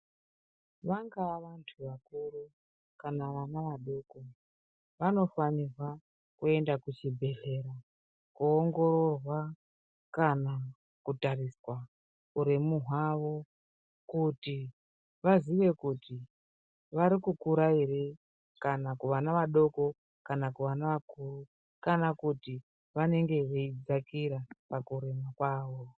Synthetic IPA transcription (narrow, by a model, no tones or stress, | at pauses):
ʋaŋɡaaʋantʰuʋakuru | kanaʋanaʋaɗo̞ːko̞ | ʋano̞fanirwa | kue̞ndakut͡ʃibʱe̞ɬe̞ɾa | kuoŋɡo̞ɾo̞rwa | kana | kutariswa | uɾimuɦwaʋo̞ | kuti | ʋaziʋe̞kuti | ʋaɾikukuɾaiɾe | kanakuʋanaʋaɗo̞ko̞ | kanakuʋanaʋakuru | kanakuti | ʋane̞ŋɡe̞ʋeid͡zakiɾapakuɾimakwaːʋo̞